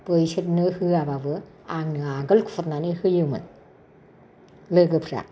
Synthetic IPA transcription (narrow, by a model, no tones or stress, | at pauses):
pɯjsɯt̚nɯhɯababɯ | aŋnɯaɡəlkʰu̥fʰɔt̚nanihɯjɯmɯ̰n | lɯɡɯpʰɾa̰